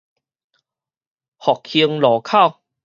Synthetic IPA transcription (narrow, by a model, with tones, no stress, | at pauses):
hɔ˨˩k̚hi˧əŋlɔː˨˩kʰa˥˨w